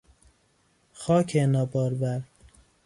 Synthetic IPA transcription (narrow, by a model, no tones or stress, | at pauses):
xɒːcʰenɒːbɒːɾbæɾ